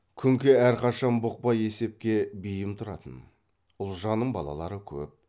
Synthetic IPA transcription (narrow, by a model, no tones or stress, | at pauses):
kʲʰʏŋkʲeæɾqʰɑʃɑnbʊq̚pɑje̞se̞p̚kʲe̞bijɪmt̪ʰʊɾɑ̰t̪ən | ʊlˠʒɑnːəɴbɑ̰lˠɑ̰lˠɑ̰ɾəkʲʰɵ̰p̚